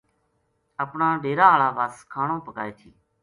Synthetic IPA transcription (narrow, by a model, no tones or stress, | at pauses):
əpɳaːɖeːɾaːɭaːʋaːskʰaːɳõːpəkaːeːt̪ʰiː